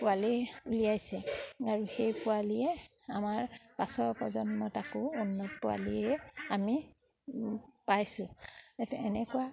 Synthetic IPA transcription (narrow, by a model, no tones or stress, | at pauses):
pʊaliulijajsɛaɹuxejpʊaliɛ | amaɹpasɔpɔzɔntɔtakʊunːɔtpʊwa̰liɛami | pajsʊ̃tɛnɛkʊa